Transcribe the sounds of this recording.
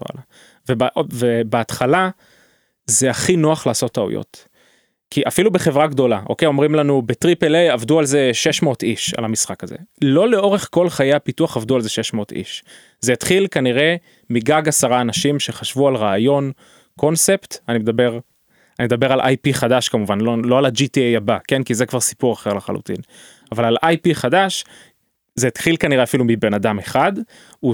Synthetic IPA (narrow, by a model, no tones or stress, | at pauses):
a̰la | vebvebeat̪χala | ze̞aχinoaχlaːso̞taṵjo̰t̪ | kiʔafilube̞χe̞vʁaɡdo̞laʔo̞̰kejo̞mʁimlanubet̪ʁipelejavdualze̞ʃe̞ʃmo̞ːtiʃa̰lhamisχakazḛlo̞le̞o̞ʁe̞χko̞lχajejapituaχavd̪ualze̞ʃe̞ʃmo̞t̪ḭʃ | zejat̪χilkaniʁe̞ | miɡaɡasaʁaːnaʃimʃe̞χaʃvualʁaːjo̞n | ko̞nse̞pt̪animed̪abe̞ʁ | animed̪abe̞ʁalʔa̰jpiχadaʃkamuvanlolo̞alad͡ʒitiejabake̞nkizekvaʁsi̥puʁaχe̞ʁlaχalṵtḭn | avalalʔajpiχadaʃ | zeːt̪χilkaniʁeafilumibe̞nadameχad̪ | u